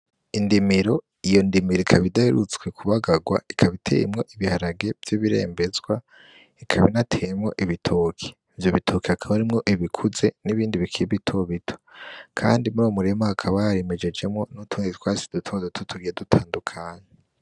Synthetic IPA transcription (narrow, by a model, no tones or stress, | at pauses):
indimiɾo̞ | ijo̞ndimiɾoikʰaβidaheɾut͡swe̞kʰuβaɡaɡwa̰ikʰaβitʰḛjemŋo̞ʔiβihaɾaɡe̞vjiβiɾe̞̰ːmbe̞zɡwa | ikʰaβinatʰe̞jemŋo̞ʔiβitʰoːkʰi̥ | vjoβitʰokiakʰaβaɾimŋo̞ʔiβikʰuze̞niβiːndiβikʰibitʰo̞βitʰo̥kʰa̰ːndimuɾumuɾe̞mahakʰaβaɾeme̞d͡ʒe̞d͡ʒe̞mŋo̞nutʰuːŋetwaːsi̥dutʰo̞zdotʰutʰuɡijedutʰaːndukʰaːɲe